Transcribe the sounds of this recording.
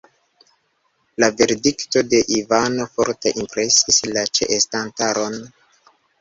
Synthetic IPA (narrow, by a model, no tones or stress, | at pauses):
lave̞ɾdikto̞de̞ʔivano̞fo̞̰ɾte̞ʔimpɾe̞sislat͡ʃḛʔestantaɾo̞n